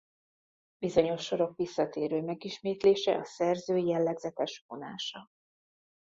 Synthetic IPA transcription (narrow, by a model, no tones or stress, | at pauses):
bizo̞ɲo̞ʃːo̞ɾo̞kʋisːɒt̪eːɾøːmɛɡiʃmeːt̪leːʃɛ̰ʔɒsɛrzøːjɛlːɛɡzɛt̪ɛʃvo̞na̰ːʃɒ